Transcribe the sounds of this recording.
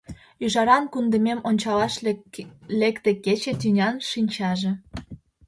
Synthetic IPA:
yʒɑɾɑnkund̪ə̆memonʲt͡ɕɑlɑʃ | lekt̪eket͡ɕĕt̪ynʲɑnʃinʲt͡ɕɑʒĕ

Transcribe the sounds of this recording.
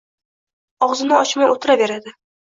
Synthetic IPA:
ɒʁzɪnɪɒt͡ʃmaʔot̪ʰɪɾabe̞ɾad̪ɪ

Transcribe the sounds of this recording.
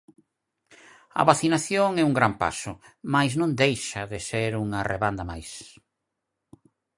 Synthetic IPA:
ɐ̰βaθinaθjoŋɛuŋɡɾampa̰sʊmajznõnd̪ejʃɐðɪseɾuŋareβand̪ɐmajs

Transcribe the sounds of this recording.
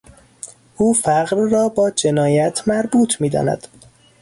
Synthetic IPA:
ʔuːfæɢɾːɒːbɒːd͡ʒe̞nɒːjæt̪ʰmæɾbuːt̪ʰmiːd̪ɒ̰ːnæ̰d̪̥

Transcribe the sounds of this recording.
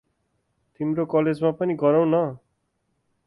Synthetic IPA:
t̪imɾokʌled͡zmapʌniɡʌɾʌw̃nʌ

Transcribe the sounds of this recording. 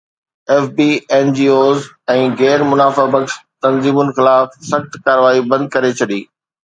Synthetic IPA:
ɛːfbiːɛːnd͡ʑiːoːz | ɛ̃ːɣɛːɾmʊnaːfabɐkst̪ɐ̃nziːmʊnxɪlaːfsɐxt̪kaːɾəʋaːibɐ̃nd̪̚kɐɾet͡ɕʰɐɗiː

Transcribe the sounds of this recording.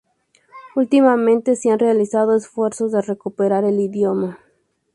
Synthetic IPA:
ult̪imamẽ̞nt̪eseanrealisað̞oesfwe̞ɾso̞zðerekupeɾaɾe̞liðjoma

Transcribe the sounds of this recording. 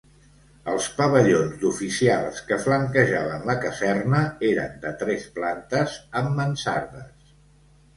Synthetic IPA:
əlˠspəβəʎonzd̪ufisialˠskəfləŋkəʒaβənləkəzɛrnəeɾə̰nd̪ət̪ɾɛsplant̪əzəmːənsa̰ɾðəs

